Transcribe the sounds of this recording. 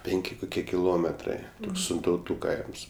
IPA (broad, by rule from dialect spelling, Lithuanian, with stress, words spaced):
ˈpʲɛŋʲkʲɪ kʊˈkʲiɛ kʲɪˈlˠoːmʲɛtrɐɪ sʲɪntɐʊˈtuː ˈkɐɪms